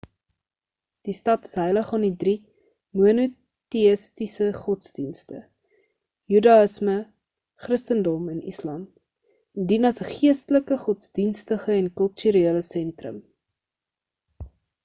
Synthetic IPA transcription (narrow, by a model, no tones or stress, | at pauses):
d̥istɐtə̥sɦəjləχɑnidri | muənu | tiəstisəχɔtsdinstə̰ | jydɑəsmə | χrəstəndɔmɛnislɑm | ndinɐsəχiəstələkəχɔtsdinstəχəɛnkəlˠtyɾeələsɛntrə̰m